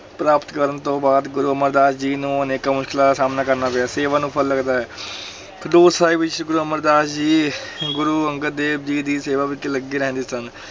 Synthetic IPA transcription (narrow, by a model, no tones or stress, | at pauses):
pɾaːpət̪kəɾənt̪õːbaːd̪ɡʊɾuːəməɾd̪aːsd͡ʒiːnũːəneːkaːmʊʃkɪlaasaːmnaːkəɾnaːpɪjaːseːʋaːnũːpʰəlːəɡd̪aːɛː | kʰəɖ̪oːsaːiːbɪt͡ʃɡʊɾuːəməɾd̪aːsd͡ʒiːɡʊɾuːəŋɡəɾd̪eːb̚d͡ʒiːd̪iːseːʋaːʋɪkeləɡiːɾɛɦɛ̃nd̪iːsən